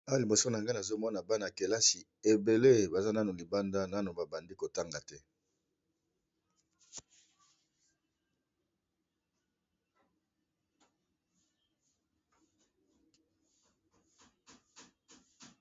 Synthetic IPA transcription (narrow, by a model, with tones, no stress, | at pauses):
a˦li˨bo˨so˦n˨a˨ŋɡa˦na˨zo˦mɔ˦na˨ba˦na˨ke˨la˦si˨ | e˨be˨le˦ba˨za˦na˦no˨li˨ba˦nda˦na˦no˨ba˨ba˨ndi˦ko˨ta˦ŋɡa˨tɛ˦